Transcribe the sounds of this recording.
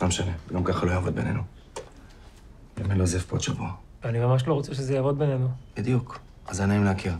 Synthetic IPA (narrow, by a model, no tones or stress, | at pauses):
amʃaneɡamkaχalo̞jaːvo̞d̪be̞̰ne̞nu | emenlozefpotʃavua | veanimamaʃ̬lo̞ʁot͡seʃezejaːvo̞d̪̚benenub̥id̪juk | ʔazanaimleakiʁ